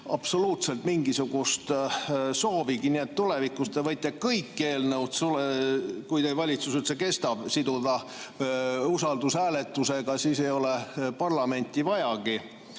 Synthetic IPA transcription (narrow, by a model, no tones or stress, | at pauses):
ɑpso̞luːt̪se̞lt̪miŋɡisuɡ̥ust̪so̞ːviɡ̥inie̞t̪ːulevikˑust̪evɤt̪ʲːˑɑkɤjkːe̞ːlnəwdt̪sulkujd̪evɑlʲit̪susylt̪seke̞st̪ɑb̥sid̪ud̪̥ɑ | usɑld̪̥usæːle̞t̪ːˑuse̞ɡ̥ɑsiːse̞jo̞lepɑrlɑme̞nʲt̪ʲivɑjɑɡ̥i